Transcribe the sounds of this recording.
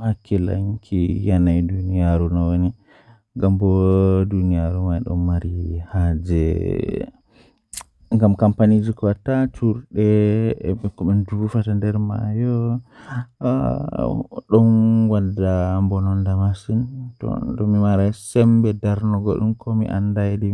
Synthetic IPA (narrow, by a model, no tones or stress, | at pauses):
makːila̰ŋkʰijanajdunijaɾunɔwoni | ɡambɔdunijaɾuwaiɗɔ̰nːaɾihad͡ʒɛ̰ | ŋɡamkampanid͡ʒikɔwatatʰuɾɗɛ | ɛkɔɓɛndufatandɛɾma̰jɔ | ɗɔnwadːambɔnɔndamasintɔ̰dɔmimaɾasɛmbɛdaɾnɔɡɔɗumkʰomḭʔa̰ndajdi